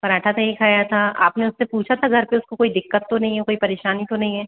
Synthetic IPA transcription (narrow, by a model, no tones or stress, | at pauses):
pɐɾaːʈʰat̪ɐɦĩkʰaːjat̪ʰaʔa̰ːpneʊsːepuːt͡ʃʰat̪ʰaɡʱɐɾpeʊskokoːid̪ɪkːət̪ːonɐɦĩɦɛkoːipɐɾeːʃaːnit̪onɐɦĩɦɛː